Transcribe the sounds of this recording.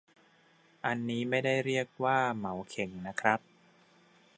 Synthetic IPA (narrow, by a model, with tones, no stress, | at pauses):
ʔa˧nːiː˦˥ma˥˩jda˥˩jɾi˥˩ək̚waː˥˩ma˩˦wkʰe˨˩˦ŋna˦˥kʰɾa˦˥p̚